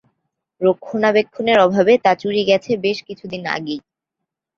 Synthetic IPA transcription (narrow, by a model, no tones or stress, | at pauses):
ɾokʰːonabekʰːoneɾɔbʱabet̪at͡ɕuɾiɡɛt͡ɕʰebeʃkit͡ɕʰud̪ina̰ɡej